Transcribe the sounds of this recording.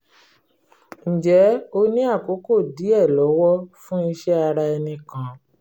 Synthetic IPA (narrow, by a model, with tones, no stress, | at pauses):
n̩˨d͡ʒɛ˨˦o˧nĩ˦a˦˨ko˨˦ko˦˨di˨˦ɛ˦˨lɔ˨˦wɔ˦fũ˦i˧ʃɛ˦a˧ɾa˧ɛ˧nĩ˧kã˧